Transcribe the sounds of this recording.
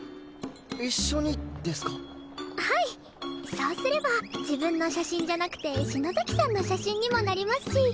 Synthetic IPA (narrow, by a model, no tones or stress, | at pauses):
iɕːo̞ɲ̟id̪e̞sɨ̥kḁ | hai | so̞ːsɨɾe̞bad͡ʑibɯ̃nːo̞ɕaɕĩɲ̟d͡ʑanakɯ̟̥t̪e̞ɕinozakʲi̥sãnːo̞ɕaɕĩɲ̟ːimo̞naɾʲimasɨ̥ɕi